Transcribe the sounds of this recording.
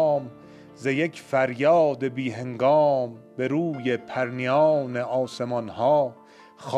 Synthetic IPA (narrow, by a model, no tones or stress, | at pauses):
m | zejekʰfæɾjɒːd̪ebiːɦe̞ŋɡɒːmbeɾuːjepʰæɾnijɑɒːneʔɒːse̞mɒnhɒː | x